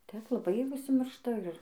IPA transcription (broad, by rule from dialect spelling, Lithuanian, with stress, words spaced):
ˈtʲɛp lˠɐˈbɐɪ ʊʃʲsʲɪˈmʲɪrʃtɐ ɪr